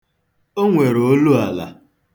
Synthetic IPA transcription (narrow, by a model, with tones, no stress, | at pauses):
o˦ŋʷe˨ɾo˦lu˦a˨la̰˨